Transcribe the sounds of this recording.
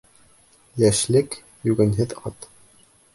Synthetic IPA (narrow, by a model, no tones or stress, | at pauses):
jæʃlɘk | jʉɡɘ̆nɦɘðɒ̰t̪